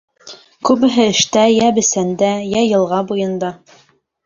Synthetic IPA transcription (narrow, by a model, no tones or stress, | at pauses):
kʉβɘ̆ɦɘɘ̆ʃt̪æjæbɘ̆sænd̪æjæjɤ̆lˠʁɑbujɤ̆nd̪ɑ